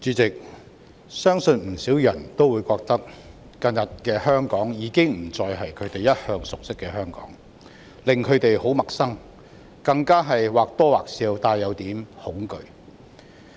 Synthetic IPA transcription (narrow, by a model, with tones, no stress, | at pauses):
t͡syː˨˥t͡sɪ˨k̚ | sœː˥ŋsɵ˧nm̩˨˩siː˨˥wjɐ˨˩nt̪o˥wuː˨˧jkɔː˧k̚t̪ɐ˥k̚ | kɐ˧njɐ˨t̚kɛː˧hœː˥ŋkɔː˨˥ŋjiː˨˧kɪ˥ŋm̩˨˩t͡sɔː˧jɦɐ˨jkʰɵ˨˧ɥt̪e˨jɐ˥t̚hœː˧ŋsʊ˨k̚sɪ˥kːɛː˧hœː˥ŋkɔ̰ː˨˥ŋ | lɪ˨ŋkʰɵ˨˧ɥt̪e˨jho˨˥wmɐ˨k̚sɐ˥ŋ | kɐ˧ŋkaː˥ɦɐ˨jwaː˨k̚t̪ɔː˥waː˨k̚siː˧wt̪aː˧jːɐ˨˧wt̪iː˨˥mhʊ˨˥ŋkɵ̰˨ɥ